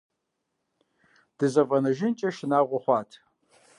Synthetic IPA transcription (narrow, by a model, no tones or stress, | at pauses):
d̥ɨzɐvʼɐnɐʒɪnt͡ʃʼɐʃɪnaːʁʷʊχʷɑːtʰ